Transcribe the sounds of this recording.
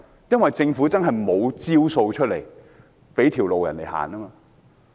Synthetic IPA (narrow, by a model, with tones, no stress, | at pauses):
jɐ˥nwɐ˨jt͡sɪ˧ŋfu˨˥t͡sɐ˥nɦɐ˨jmo˨˧wt͡siː˥wso˧wt͡ʃʰɵ˥t̚le˨˩j | pe˨˥jt̪ʰiː˨˩wlo˨wjɐ̰˨˩nle˨˩ha̰ː˨˩naː˥maː˧